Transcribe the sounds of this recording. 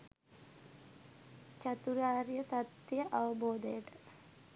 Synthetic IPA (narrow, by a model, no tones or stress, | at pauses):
t͡ʃat̪uɾaːɾijəsat̪ːjəʔaʋəboːd̪əjəʈə̥